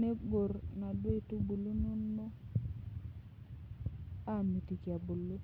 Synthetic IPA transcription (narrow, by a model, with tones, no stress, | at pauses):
ne˦ɡo˨ɾna˨dwe˦tu˦bu˨lu˦no˦no˦ | a˦˨ni˨ti˨kja˨bu˨lo˦